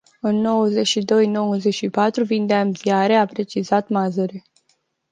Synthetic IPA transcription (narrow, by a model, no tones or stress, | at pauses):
ɨnːo̞wəze̞ʃid̪o̞jno̞wəzeʃipat̪ɾuvind̪eamiaɾe̞apɾe̞t͡ʃizat̪mazoɾi